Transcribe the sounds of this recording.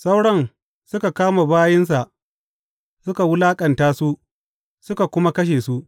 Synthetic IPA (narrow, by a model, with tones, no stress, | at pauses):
sa˦wɽɐ˦n | sʊ˦ka˨kaː˦maː˨baː˦jɪ˦ns̬a˨ʔ | sʊ˦ka˨wʊ˦laː˦kʼɐ˨ntaː˦su˦ʔ | sʊ˦ka˨kʷʊ˦ma˦kɐ˦ʃ̬eː˨su˦ʔ